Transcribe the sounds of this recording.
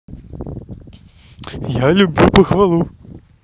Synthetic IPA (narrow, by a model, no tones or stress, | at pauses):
jalʲubʲlʲupɐxvalˠu